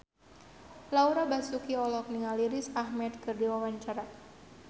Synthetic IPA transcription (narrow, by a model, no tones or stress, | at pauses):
lauɾabasukiɔlɔk̚niŋaliɾɪsahmɛt̪kɨrdiwawaɲt͡ʃaɾa